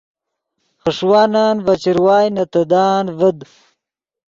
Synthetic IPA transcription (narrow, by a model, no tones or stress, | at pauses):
χəʂwaːnaːnvɐt͡ɕiɾwaːjnɐt̪ɐd̪aːnvəd̪